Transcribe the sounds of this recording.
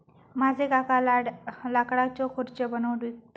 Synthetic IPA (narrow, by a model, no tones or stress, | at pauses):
mad͡zʱekakalaɽlakɽat͡ɕɔkʰoɾt͡ɕəbənəwʈʋik̚t̪